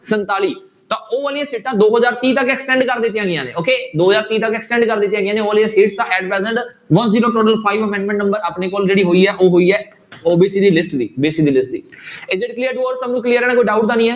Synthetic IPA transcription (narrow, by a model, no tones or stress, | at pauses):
sənt̪aːliː | t̪ãːʔoːʋəːlɪjãːsiːʈãːd̪oːɦəzaːɾt̪iːt̪əkɛːksʈɛ̃ːɳɖkəɾd̪ɪt̪ːjãːɡɪjãːnḛ̃ːoːkeːd̪oːɦzaːɾt̪iːt̪əkɛːksʈɛ̃ːɳɖkəɾd̪ɪt̪ːjãːɡɪjaːneːoːʋəːlɪjãːsiːʈst̪ãːʔɛːɖpɛːzəɳɖ | ʋənziːɾõːʈoːʈəlpʰaːiːʋəmɛ̃ːɳɖmɛ̃ɳʈnəmbəɾaːpneːkoːld͡ʒeːɽiːɦoːiːɛːʔoːɦoːiːɛː | oːbiːsiːd̪iːlɪsʈd̪iːobiːsiːd̪iːlɪsʈ̚d̪ḭːɪzɪɖklijəɾʈuːəɾsəbnũːkliəɾɛːɽãːkoːiːɖaːʊʈ̚d̪ãːnĩːɛː